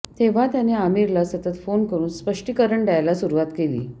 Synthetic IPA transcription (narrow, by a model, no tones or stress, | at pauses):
t̪eʋ̤at̪janeamiɾlasət̪ət̪fonkəɾuːnspəʂʈikəɾəɳɖajlasuɾuʋat̪kelḭː